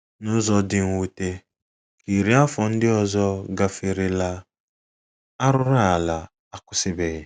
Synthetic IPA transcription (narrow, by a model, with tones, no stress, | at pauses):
nʊ˦zɔ˦dɪ˨ŋ̩˨wu˨te˦ | ki˨ɾi˦a˦fɔ˨n̩˦dɪ˦ɔ˨zɔ˦ɡa˨fɪ˨ɾɪ˨la˦ | a˦ɾʊ˦ɾa˦a˨la˨ | a˦kʊ˨sɪ˦be˨ɪ˦˨